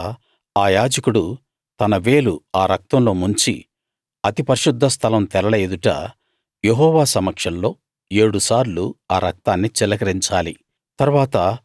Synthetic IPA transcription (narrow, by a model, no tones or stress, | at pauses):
aːjaːd͡ʒɐkuɽu | t̪ɐnɐʋe̞ːluaːɾɐk̚t̪ɐmlo̞ːmuɲt͡ʃḭ | ɐt̪ipɐɾʃud̪ʱːɐst̪ʰɐlɐmt̪ɛlɐɭɐːd̪uʈɐ̰ | jeɦɔːʋaːsɐmːɐkʂɐnlo̞ː | e̞ːɽusaːɾluaːɾɐk̚t̪aːnːit͡ʃɛlɐkɐɾiɲt͡ʃaːli | t̪ɐɾuʋaːt̪ɐ